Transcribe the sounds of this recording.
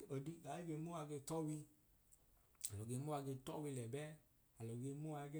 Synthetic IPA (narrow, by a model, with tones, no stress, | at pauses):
o˨di˧ɡa˨e˦ɡe˧mu˦a˧ɡe˧˨tɔ˦wi˧ | a˨lɔ˨ɡe˧˦mo˦a˧ɡe˧tɔ̰˦wi˧lɛ˨bɛ˦ | a˨lɔ˨ɡe˧mu˦a˧ɡe˦